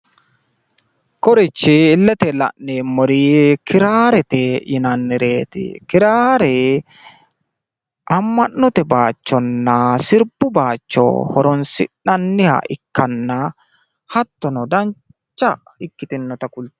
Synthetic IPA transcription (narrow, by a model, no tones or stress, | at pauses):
kɔɾɪt͡ʃːɪːlːɛt̪ɛlɐ̰ʔneːmːɔɾikɪɾaːɾɛt̪ɛjɪnɐnːɪɾeːt̪ɪ̰kɪɾaːɾɛ | ʔɐmːɐnːɔt̪ɛbaːt͡ʃːɔnːɐsɪɾbʊbaːt͡ʃːɔ̰hɔɾɔnsɪ̰ᶑɐnːɪhɐ̰ʔɪkːɐnːɐ | hɐt̪ːɔnɔd̪ɐn | t͡ʃːɐ | ɪkːɪt̪ɪnːɔt̪ɐkʊlt̪